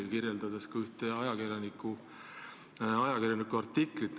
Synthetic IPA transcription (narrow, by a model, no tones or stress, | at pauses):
kiɾjeld̪̥ɑd̪̥eskɑyht̪eɑjɑkirjɑnikːˑu | ɑjɑkirjɑnikːˑuɑrt̪ːikˑlit̪n